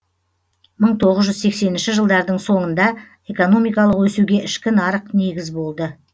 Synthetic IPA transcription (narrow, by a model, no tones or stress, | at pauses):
məɴt̪ʰo̞ʁəzʒʏzse̞kse̞nɪnʃɪʒəlˠd̪ɑɾd̪əɴso̞ɴənd̪ɑ | e̞ko̞no̞mijkɑlˠəqwɵsuɡʲe̞ʔɪʃkʲɪnɑɾəqne̞ɡʲɪzbo̞lˠd̪ə